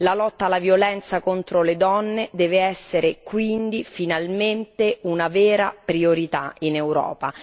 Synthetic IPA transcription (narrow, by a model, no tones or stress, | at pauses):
lalɔt̪ːalːavjolɛnt̪sakont̪ɾoled̪ɔnːed̪ɛːveɛsːeɾekwind̪ifinalment̪eunavɛːɾapɾioɾit̪ainɛwɾɔ̰ːpa